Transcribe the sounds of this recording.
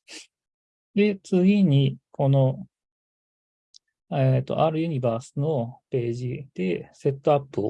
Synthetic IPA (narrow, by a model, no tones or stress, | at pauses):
d̪e̞t͡sɨɡʲiɲ̟ikʰo̞no̞ | et̪ːo̞̰ʔaɾɯ̟jɯ̟ɲ̟ibaːsɨno̞pe̞ːʑid̪̥e̞se̞t̪ːo̞apːɯo